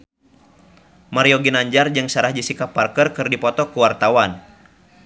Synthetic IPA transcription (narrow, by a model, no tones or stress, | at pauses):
maɾiɔɡinaɲd͡ʒard͡ʒɨŋsaɾahd͡ʒisikapːarkərkɨrdipɔt̪ɔkuwart̪awan